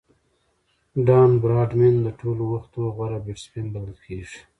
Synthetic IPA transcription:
ɖɑːnbɾɑːɖmɪnd̪əʈʰolowaxt̪oɣwaɾabeʈspind̪alkʰeːʐ̥

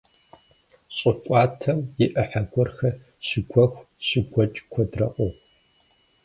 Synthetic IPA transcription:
ɕʼɨt͡ʃʷʼɑːtʰɐmjɪʔɐħaɡʷɔrxɐ | ɕɪɡʷɐxʷ | ɕɪɡʷɐt͡ʃʼkʷʰɔdrɐ̰qʷʼo

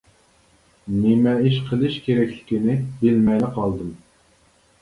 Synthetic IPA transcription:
nɪmɛiʃqʰəlˠɨʃkʲʰeɾɛkʲlɪ̥kʲinɪbɪlmɛjlɪqʰɑlˠd̪ɨm

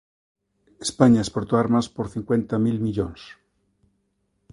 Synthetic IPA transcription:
espaɲaespoɾt̪oaɾmaspoɾθiŋkwe̞nt̪amilmiʎons

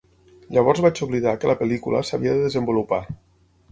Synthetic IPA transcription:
ʎəβ̞ɔɾzβat͡ʃuβliðakələpəlikulə̰səβiəðəðəzəmbulupa

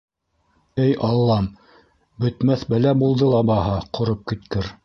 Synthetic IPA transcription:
ɘjʔɑlˠːɑm | bɵ̆t̪mæθbæ̆læbulˠd̪ɤlˠɑbɑhɑqʰŏɾɤp̚kɘ̆t̪kɘɾ

